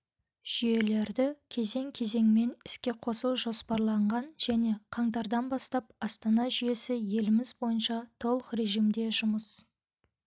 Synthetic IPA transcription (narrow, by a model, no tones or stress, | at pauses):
ʒ̥ʏje̞le̞ɾd̪ɪkʲʰe̞ze̞ŋkʲʰe̞ze̞ŋme̞nɪskʲe̞qʰo̞suwʒo̞spɑɾlˠɑɴʁɑnʒ̥æne̞qʰɑɴt̪ɑɾd̪ɑnbɑst̪ɑp̚ɑst̪ɑnɑʒʏje̞sɪje̞lɪmɪzbo̞jənʃɑt̪ʰo̞lˠəqɾe̞ʒijmd̪e̞ʒʊməs